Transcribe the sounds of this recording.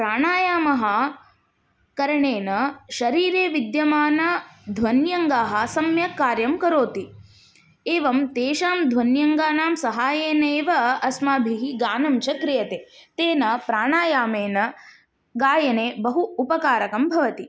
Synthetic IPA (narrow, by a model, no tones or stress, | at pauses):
pɾaːɳaːjaːmɐɦɐ | kɐɾɐɳeːnɐʃɐɾiːɾeːʋid̪jɐmaːnɐd̪ʱʋɐnjɐŋɡaːɦɐ̆sɐmjɐkaːɾjɐmkɐɾoːt̪i | eːʋɐmt̪eːʃaːmd̪ʱʋɐnjɐŋɡaːnaːmsɐɦaːjeːneːʋɐɐsmaːbʱiɦiɡaːnɐmt͡ʃɐkɾɪjɐt̪eːt̪eːnɐpɾaːɳaːjaːmeːnɐ | ɡaːjɐneːbɐɦuupɐkaːɾɐkɐmbʱɐʋɐt̪i